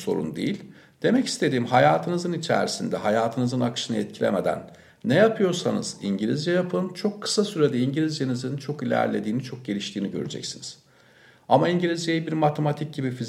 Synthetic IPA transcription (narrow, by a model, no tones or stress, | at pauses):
soɾṵnd̪ejilʲ | d̪̥e̞mɛci̥st̪ʰe̞d̪iːmɦajaːt̪ʰɯnɯzɯnit͡ʃʰæ̰ɾsind̪ɛɦajaːt̪ʰɯnɯzɯnakʃɯnɯɛt̪̚cʰilʲḛme̞d̪æ̰nː | ɛjapʰɯjo̞ɾsanɯ̰z̥iɲɟilʲizd͡ʒɛjapʰɯnt͡ʃʰo̞kʰːɯ̥sasyɾed̪ɛiɲɟilʲizd͡ʒenizɯnt͡ʃʰo̞kilʲæ̰ɾlʲe̞d̪iːnit͡ʃʰo̞k̚ɟe̞lʲiʃt̪ʰiːniɟø̞̰ɾyd͡ʒɛ̰csiniz̥ | amaiɲɟilʲizd͡ʒjejibiɾmat̪ʰemat̪ʰic̚ɟibifiz